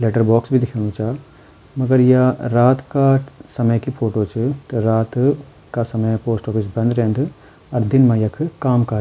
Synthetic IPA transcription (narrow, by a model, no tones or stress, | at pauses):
leːʈəɾbɔːksbʱid̪ɪkʰə̃nũt͡ʃʰa | mɐɡəɾjɐɾaːt̪kasɐməjkipʰoːʈot͡ʃʰut̪ɐɾaːt̪ | kasɐməjpoːsʈɔːpʰisbɐ̃nd̪ɾeːnd̪ | ɐɾd̪ɪnmãjɐkʰkaːmkaː